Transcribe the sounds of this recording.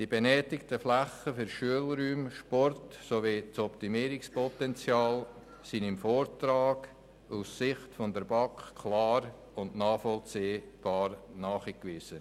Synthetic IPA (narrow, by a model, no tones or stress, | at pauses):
d̥ibenɛːtɪktəflæχəfʏɾʃyəlɾyːmʃpɔrtsoʋit͡sɔptimiːəɾɪkspɔtɛnt͡sjɑːl | sinɪmfoːrtɾɑːɡ | ussɪχtfɔndəɾbɑkχkʰlɑːɾ | ʊnnɑːfɔlt͡siːb̥ɑːɾnɑːχikʋiz̥ə